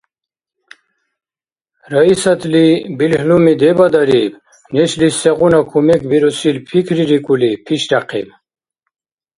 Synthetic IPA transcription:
ɾaisat̪ʰlibilhlumid̪ɛbad̪aɾib | nɛʃlisɛʁunakʰumɛkʰbiɾusilpʰikʰɾiɾikʼulipʰiʃdaqʰḭm

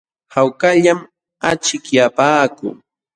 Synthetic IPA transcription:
hawkaʎam | at͡ʃɪkjapaːkʊ̰ː

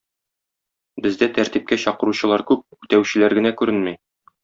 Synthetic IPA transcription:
bɘ̆zd̪æt̪æɾt̪ip̚kæɕɒqɤ̆ɾuɕɤ̆lˠɑɾkʉp̚ʉt̪æwɕɘ̆læɾɡɘ̆nækʉɾɘnmæj

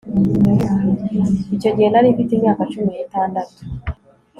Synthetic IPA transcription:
it͡ʃaɟenanipitimjakat͡ʃuminatandatu̥

